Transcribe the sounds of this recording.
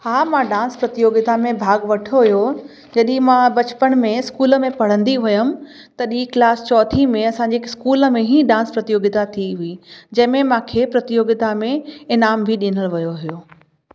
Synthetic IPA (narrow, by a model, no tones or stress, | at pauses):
haːmãɖãːnspɾɐt̪ɪjoːɡɪt̪amẽbʱaːɡʋɐʈʰoɦɪjo | d͡ʑɐɗĩmãbɐt͡ɕpəɽ̃mẽɪskuːlə̆mẽpɐɽ̤ə̃nd̪iʋʊjəm̆ | t̪ɐɗiːklaːst͡ɕɔːt̪ʰimẽɐsãːɲd͡ʑeːskuːlə̆mẽɦĩːɖãːnspɾɐt̪ijoːɡɪt̪at̪ʰiɦʊid͡ʑɐ̃ɦɪ̃mẽmãːkʰeːpɾɐt̪ijoːɡɪt̪amẽɪnaːmbʱɪɗinəlʋɐjoɦijoː